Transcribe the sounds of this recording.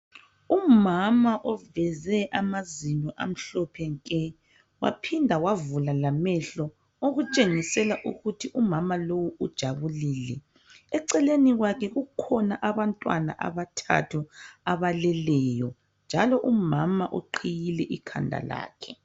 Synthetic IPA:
umamaʔɔvɛzɛʔamaziɲɔʔa̰m̩ɬɔpʰɛŋkʼɛ | wa̰pʰindʱawavulalamɛɬɔ | oɣut͡ʃʼeŋisɛlaʔuɣutʰiʔumamalowuud̥ʒ̥ʱaβuliːlɛ | ɛǀɛleniɣwakʰɛɣukʰɔnaʔaβantʼwa̰na̰ʔa̰βatʰa̰tʰuaβalɛlɛjɔ | nd͡ʒʱalɔʔumamaʔo̰ǃʰijilɛʔikʰa̰ndʱa̰la̰ːkʰɛ

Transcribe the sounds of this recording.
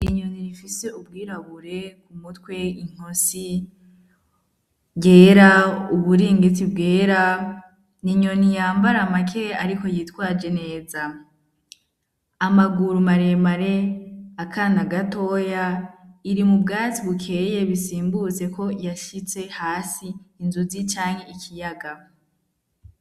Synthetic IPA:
iɲoniɾifise̞ub̚ɡiːɾaβuɾe̞kumutwe̞iŋ̥osi | ɡe̞ːɾauβuɾiːŋɡit͡sibɡe̞ːɾa | niɲonijaːmbaɾamakʰe̞aɾiko̞jiːtwaːd͡ʒe̞ne̞ːza | amaɡuɾumaɾe̞maɾe̞akʰanaɡato̞jaiɾimubɡaːt͡siβukʰe̞je̞βisiːmbut͡se̞ko̞jaʃit͡se̞haːsiːnzuzit͡ʃaːŋhe̞ikʰijaɡa

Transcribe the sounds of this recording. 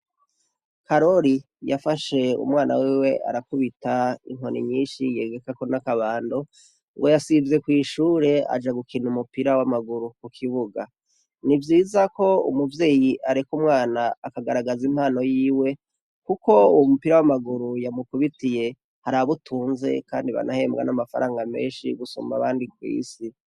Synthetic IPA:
kaɾo̞ɾi | jafaʃe̞ṵmŋaːna̰wiwe̞a̰ɾakuβitaḭŋɦo̞nḭɲiːnʃije̞ːɡe̞kakonakaβaːndo | ŋɡojasivze̞kwiːʃuːɾe̞a̰d͡ʒaɡukʰinumupiɾawamaɡuɾukukʰiβuɡa | nivjiːzako̞ṵmuvje̞ːjiʔaɾekumŋaːnaːkaɡaɾaɡazim̥haːno̞jiːwe̞ | kuko̞uwomupiɾawamaɡuɾujamukuβitije̞ | haɾaaβutʰuːnze̞̰kaːndiβa̰nahe̞ːmbɡa̰namafa̰ɾaːŋɡame̞̰ːnʃiɡuso̰maβaːndikwḭːsi

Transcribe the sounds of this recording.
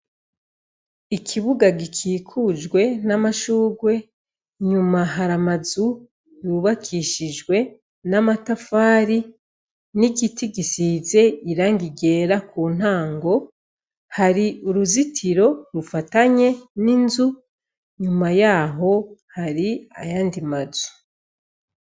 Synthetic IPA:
ikʰiβuɡaɡikʰiːkʰud͡ʒɡwe̞namaʃuːɡwe̞ | ɲumaɦaɾamazu | juβakʰiʃid͡ʒɡwe̞ | namatafaːɾi | niɡitiɡisize̞iɾaːŋɡiɡe̞ːɾakuːn̥haːŋɡo̞ | haɾiuɾuzitʰiɾo̞ɾufataɲe̞ninzu | ɲumajaːɦo̞haɾia̰jaːndimazu̥

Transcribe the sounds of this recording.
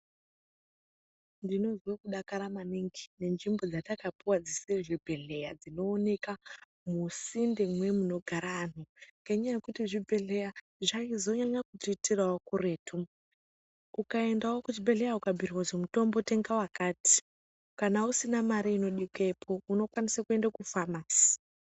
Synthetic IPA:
ndino̞zwokuɗakaɾamaniŋɡi̥ne̞nʐimbo̞d͡zatakapiwad͡ziseʐibʱe̞ɮe̞jad͡zino̞ːne̞ka | musindemwe̞muno̞ɡʱaɾaːn̤uŋɡeɲajekutiʐibʱe̞ɮe̞ja | ʐaizo̞ɲaɲakutiitirawokureːtʰu | ukae̞ndawokut͡ʃibʱe̞ɮe̞jaukabʱiriwazemuto̞mbo̞te̞ŋɡawakaːti̥ | kanausinamaɾiino̞ɗikepʰo̞uno̞kwanisakue̞ndakufamasi̥

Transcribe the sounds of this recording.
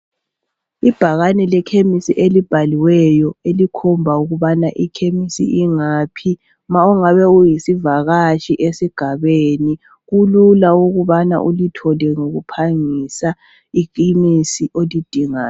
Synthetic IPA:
ib̥ʱaɣanɛlɛkʰemisiʔelib̥ʱaliwɛjɔelikʰɔmbʱauɣuβanaʔikʰemisḭʔiŋaːpʰi | mauŋaβɛujisivaɣaʃiʔesiɡ̥ʱaβeːni | ɣululauɣuβana̰ʔulitʰɔlɛŋoɣupʰaŋisa | ikimisiʔolid̥ʱiŋaːn

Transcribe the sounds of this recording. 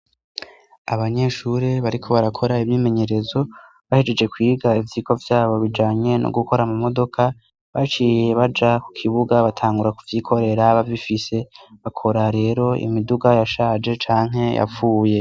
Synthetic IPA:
aβaɲe̞ʃuɾeβaɾikʰo̞βaɾakʰo̞ɾaivɲiːme̞ɲe̞ɾe̞zo̞ | βahed͡ʒe̞d͡ʒe̞kwiːɡaivjiko̞vjaːβo̞βid͡ʒaːɲe̞nʔo̰ɡuko̞ɾamumodo̞kʰa | βat͡ʃije̞βad͡ʒaku̥kʰiβuɡaβatʰaːŋɡuɾakuvjikʰo̞ɾe̞ɾaβavifise̞βakʰo̞ɾaɾe̞ːɾo̞ḭmiduɡajaʃaːd͡ʒe̞t͡ʃaːŋ̥ɦe̞jʔa̰fuːje̞

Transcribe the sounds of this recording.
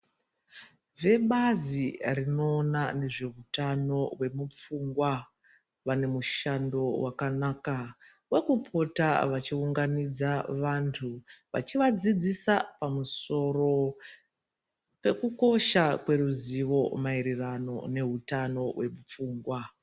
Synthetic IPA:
ve̞ɓazirino̞ːnane̞ʐe̞ɦutano̞we̞mup͡fuŋɡwa | ʋane̞muʃando̞wakanaːka | we̞kupʰo̞ta̰ʋat͡ʃiuŋɡanid͡zaʋantʰuʋa̰t͡ʃiʋad͡zid͡zisapamuso̞ro̞ | pe̞kuko̞ʃakwe̞ruziʋo̞maiɾirano̞̰ne̞ɦutano̞we̞mup͡fuːŋɡwa

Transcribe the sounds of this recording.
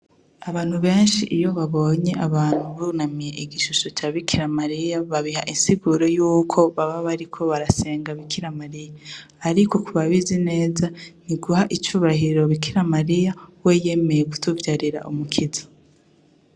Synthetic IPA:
aβaːn̥huβe̞ːnʃḭʔijo̞βaβo̞ɲe̞aβaːn̥huβunamije̞ʔiɡiʃuʃo̞t͡ʃaːβikʰiɾamaɾijaβaβihaʔinsiɡuɾo̞juːkʰo̞βaβaβaɾikʰo̞βaɾase̞ːŋɡaβikʰiɾamaɾijaː | ɾiko̞kʰuβaβizine̞ːzaniɡuɦaʔit͡ʃuːβahiɾo̞βikʰiɾamaɾijaweje̞me̞je̞ku̥tuvjaɾiɾa̰ʔumukʰizḁ

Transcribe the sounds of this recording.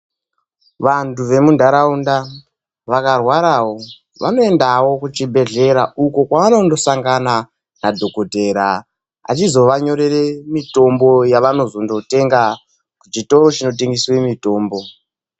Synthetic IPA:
ʋantuʋe̞mundʱaɾaunda | ʋakarwaɾawo̞ | ʋa̰no̞e̞ndawo̞kut͡ʃibʱe̞ɮe̞ɾaukokwaʋano̞ndo̞saŋɡana | nadʱo̞kote̞ɾa | a̰t͡ʃizo̞ʋaɲo̞ɾe̞re̞mito̞mbo̞jaʋano̞zo̞ndo̞te̞ŋɡa | kut͡ʃito̞ɾo̞t͡ʃino̞t̬eŋɡiswemito̞ːmbo̞

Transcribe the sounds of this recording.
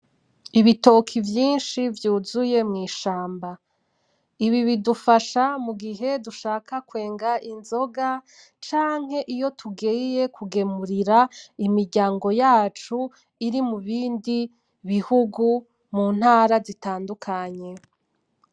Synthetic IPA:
iβito̞kʰivjiːnʃivjuːzuje̞mŋiːʃaːmba | iβiβidufaʃamuɡiɦe̞duʃaːkʰakwe̞ːŋɡaʔinzo̞ɡa | t͡ʃaːŋ̥he̞ʔijo̞tʰuɡiije̞kʰuɡe̞muɾiɾaimiɾɟaːŋɡo̞jaːt͡ʃu | iɾimuβiːndi | βihuɡu | muːn̥haːɾazitaːndukʰaɲe̞

